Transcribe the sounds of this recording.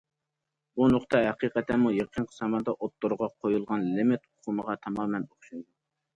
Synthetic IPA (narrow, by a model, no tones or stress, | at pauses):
bunoqt̪ʰɑhɛqiqɛt̪ʰːɛmujeqʰənqʰə̥sɑmɑd̪ɑʔot̪ːoɾʁɑqʰojulˠʁɑnlɪmɪt̪ʊqʰuməʁɑt̪ʰɑmɑːmɛnoχʃund̪u